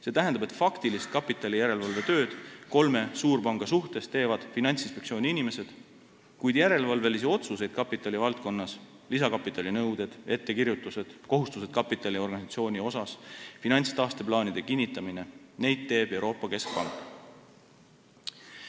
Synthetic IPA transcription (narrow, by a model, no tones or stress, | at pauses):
se̞t̪æɦnd̪ɑbe̞t̪ːˑfɑkt̪ilist̪̚kɑpːˑit̪ːˑɑlijæɾe̞lvɑlve̞t̪ø̞ːd̪̥ko̞lme̞suːɾpɑŋɡ̥ɑsuht̪e̞st̪e̞ːvɑd̪̥finɑnʲt̪sinspe̞ktsio̞ːnʲiinime̞se̞d̪̥ | kujd̪̥jæɾe̞lvɑlve̞lisio̞t̪suse̞jd̪̥kɑpːˑit̪ːˑɑlivɑlt̪̚ko̞nːɑs | lisɑkɑpːˑit̪ːˑɑlʲinɤwd̪̥e̞d̪̥e̞t̪ːe̞kirjut̪ːˑuse̞d̪̥ko̞ɦust̪use̞d̪̥̚kɑpːˑit̪ːˑɑlʲio̞rɡɑnisɑt̪sio̞ːnʲio̞sɑsfinɑnʲst̪ɑːst̪e̞plɑːnid̪̥e̞kinʲːit̪ːˑɑmine̞ne̞jd̪̥̚t̪ːe̞ːb̥e̞wɾo̞ːpːˑɑke̞sk̚pɑŋkːˑ